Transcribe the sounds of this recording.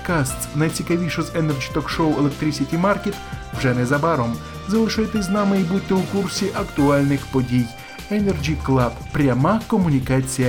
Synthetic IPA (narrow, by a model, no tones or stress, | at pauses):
kast̪snɐjt͡sʲikɐʋʲiʂɨzɛnɛrd͡ʒʲit̪ɔkʂoʊɛlˠɛkt̪ɾʲisʲɪtʲimarkʲɪt̪wʐɛnɛzɐbaɾɔm | zɐlˠɨʂajt̪ɪs̬ʲznamɪibut̪ʲːɪʊkursʲiʔɐkt̪ʊalʲnɪxpɔdʲij | ɛnɛrd͡ʒʲiklˠappɾʲɐmakɔmʊnʲikat͡sʲijɐ